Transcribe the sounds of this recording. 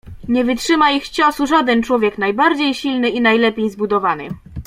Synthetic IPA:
ɲɛvɘtʂɘmaixt͡ɕɔsuʐad̪ɛnt͡ʂwɔvʲjɛknajbaɾd͡ʑejɕilnɘinajlɛpʲjejzbud̪ɔvanɘ̰

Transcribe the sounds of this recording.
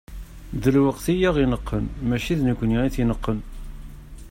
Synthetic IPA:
ðəlwəqθijæʁinəqːənmæʃiðnəkʷːniiθinəqːən

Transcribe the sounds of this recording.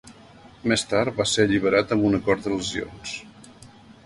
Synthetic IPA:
mest̪aɾt̪̚βaseəʎiβ̞əɾat̪əmbunəkɔɾt̪d̪ələzio̰ns

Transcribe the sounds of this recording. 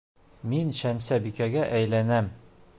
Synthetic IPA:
minɕæmsæbikæɡæʔæjlænæm

